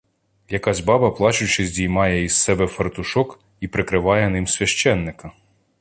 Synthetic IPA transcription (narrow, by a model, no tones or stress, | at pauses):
jɐkɑzʲbɑbɐplˠɑt͡ʃʊt͡ʃɪzʲdʲijmɑjɛissɛbɛfɐrt̪ʊʃɔk | ipɾɪkɾɪʋɑjɛnɪmsʲʋʲɐʃt͡ʃɛnːɪkɐ